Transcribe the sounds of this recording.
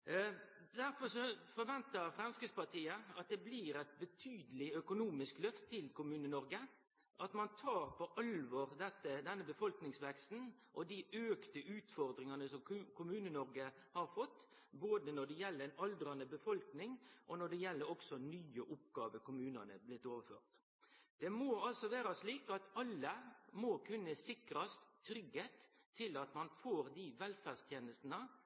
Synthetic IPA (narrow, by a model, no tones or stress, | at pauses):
d̪æɾfɔɾʂɔfɔɾʋɛnt̪əɾfɾɛmskɾɪtspɑt̪ʰiːəɑt̪̚d̪ɛbliɾæɪt̪̚bət̪ʰyːd̪əlɪœkʊnuːmɪsklœft̪ʰːɪlkʊmʉːnənɔɾɡə | ʔɑt̪mɑnt̪ʰɑːɾpɔʔɑlʋɔʁd̪ɛt̪ːəd̪ɛnːəbəfɔlknɪŋsʋɛkst̪n̩ | ʔɔd̪ɪʔøːkt̪əʔʉːt̪fɔɾd̪ɾɪŋɑnəsɔmkʰʊmʉːnənɔɾɡə | hɑɾfɔt̪ː | boːd̪ənɔɖɛjɛlːəɛɪnɑld̪ɾɑnəbəfɔlknɪŋʔɔnɔɖɛjɛlːəɾɔksɔnyːəʔʊp̚ɡɑːʋəkʊmʉːnɑnə̰blɪt̪ːoːʋəføːʁt̪ | d̪̥ɛmoːɑlsɔʋæːɾɑsliːkɑt̪ɑlːəmoːkʰʉnːəsɪkɾɑst̪ʰːɾʏɡheːt̪ʰːɪlɑt̪mɑnfoːɾd̪iʋɛlfæːst̪ʰjeːnəst̪nə